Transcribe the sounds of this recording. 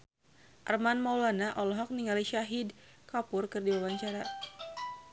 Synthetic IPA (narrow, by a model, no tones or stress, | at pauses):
ʔarmanmawlanaʔɔlɔɦɔk̚niŋaliʃaɦid | kapʊrkɨrdiwawaɲt͡ʃaɾa